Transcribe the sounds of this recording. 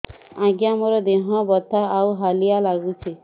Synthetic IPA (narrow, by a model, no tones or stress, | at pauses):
ãɡjamɔɾɔd̪eɦɔbɔt̪ʰaawɦalijalaɡut͡ʃʰi